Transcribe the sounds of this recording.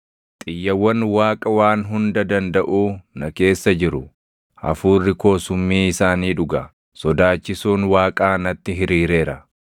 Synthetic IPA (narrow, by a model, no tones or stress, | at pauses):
t̪ʼɪjːɐwːɐnwaːkʼɐwaːnɦʊnd̪ɐd̪ɐnd̪ɐʔuːnɐke̞ːsːɐd͡ʒɪɾʊ | ʔɐ̰fuːrːɪko̞ːsʊmːiːɪsaːniːᶑʊɡɐ | sɔd̪aːt͡ʃːɪsuːnwaːkʼaːnɐt̪ːɪɦɪɾiːɾe̞ːɾɐ